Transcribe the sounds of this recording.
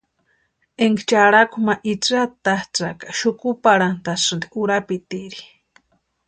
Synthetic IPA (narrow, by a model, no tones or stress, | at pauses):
eŋɡt͡ʃaɾakumaʔit͡sat̪aht͡sakḁʃukupaɽant̪asɨnd̪iʔuɾapit̪iɾi̥